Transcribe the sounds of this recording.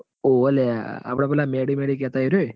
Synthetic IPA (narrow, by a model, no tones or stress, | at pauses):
oəlea̰ːpɽ̃apɛːlameɽimeɽikɛt̪aiɾu